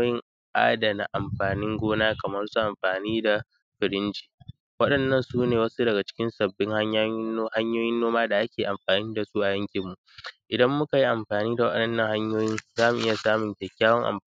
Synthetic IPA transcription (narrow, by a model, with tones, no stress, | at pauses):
jɪ˦ŋ | ʔa̰ː˦da˨na̰˨ʔa˨mɸaː˨nɪ˦ŋɡʷoː˦naː˦kɐ˨mɐ˦nsu˦ʔa˨mɸaː˨niː˦da˨ | ɸɪ˨ɾɪ˦nd͡ʒi̥ː˨ | wɐ˦ɗɐ˨nːɐ˦˨nsuː˦neː˨wɐ˦su˦dɐ˨ɡa˨t͡ʃɪ̥˦kʲɪ˦nsɐ˨bːɪ˦ŋha˦ɲa˦ha˦ɲjoː˦jɪ˦nːoː˦maː˦da˨ʔa˦kʲeː˨ʔa˨mɸaː˨niː˦da˨su˦ʔa˨jɐ˦ŋkʲɪ˨mːu˨ʔʔɪ˨dɐ˦mːʊ˦ka˨ji˦ʔa˨mɸaː˨niː˦da˨wɐ˦ɐ˦ɗɐ˦˨nːɐ˦˨ŋha˦ɲjoː˦jɪ˦n˨zaː˦mu˨ʔɪ˦ja˨saː˦mʊ˨ŋkʲɛ˨kʲːaː˦wɐ˦ŋʔa̰˨m